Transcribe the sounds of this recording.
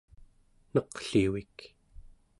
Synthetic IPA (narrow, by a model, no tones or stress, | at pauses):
nʌqɬiwik